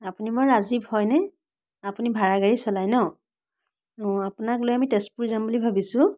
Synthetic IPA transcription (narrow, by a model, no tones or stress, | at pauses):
apunimɔɹazibhɔjnɛ | apunibʱaɹaɡaɹisɔlajnɔ | apʊnaklojamitɛspuɹizambulibʱabisʊ̃